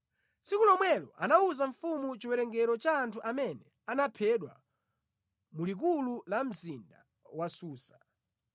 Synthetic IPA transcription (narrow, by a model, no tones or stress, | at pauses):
sikulɔmwɛlɔ̰ʔanauzaɱfumut͡ʃiwɛɾɛŋɡɛɾɔt͡ʃaːntʰuʔamɛnɛ | anapʰɛɗwa | mulik̬ululam̩zinda̰ | wasuːsḁ